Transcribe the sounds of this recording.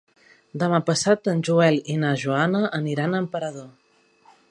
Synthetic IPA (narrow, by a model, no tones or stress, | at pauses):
d̪əmapəsat̪ənʲʒuɛlinaʒuanəʔəniɾanəmpəɾəðo